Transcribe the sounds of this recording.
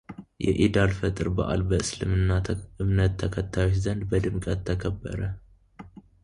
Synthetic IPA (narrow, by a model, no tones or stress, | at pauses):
jɛ̰ʔid̪alfət̪ʼɨɾba̰ʔa̰lbəɨslɨmɨnːaɨmnət̪ʰːəkʰət̪ʰːajot͡ʃzənd̪bəd̪ɨmkʼət̪ʰːəkʰəbːə̰ɾə